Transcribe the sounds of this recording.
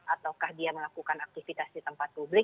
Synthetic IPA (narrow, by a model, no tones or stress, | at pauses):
ʔat̪awkahdiaməlakukanak̚t̪ifit̪asdit̪əmpat̪̚publɪ